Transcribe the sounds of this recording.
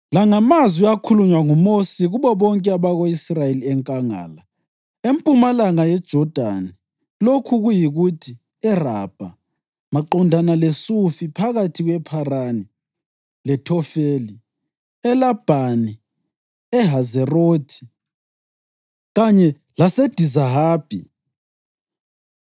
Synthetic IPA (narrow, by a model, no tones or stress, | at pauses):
laŋamazwiakʰuluɲwaŋumosiɣuβɔβɔŋkʼɛaβaɣoisrajeliɛŋkʼaŋa̰ːla | empʼumalaŋajɛd̥ʒ̥ʱɔd̥ʱa̰ni | lokʰuɣujiɣutʰi | ɛra̰b̥ʱa | maǃɔndʱanalesufipʰaɣatʰiɣwɛpʰarani | lɛtʰɔfeːli | ɛlab̥ʱani | ɛɦazɛroːtʰi̥ | ɣaɲɛ | lased̥ʱizaɦaːb̥ʱḭ